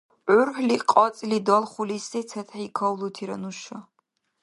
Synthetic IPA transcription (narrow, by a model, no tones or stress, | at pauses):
ʕʊrħliqʼɔt͡sʼlid̪ɔlˠχʷulisɛt͡sʰɐt̪ʰħikʰɐwlutʰiɾɐ̰nuʃɐ